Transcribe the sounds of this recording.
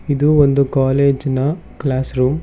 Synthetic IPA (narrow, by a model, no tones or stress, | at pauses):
id̪uond̪ukaːleːd͡ʒnɐ | klaːsɾuːm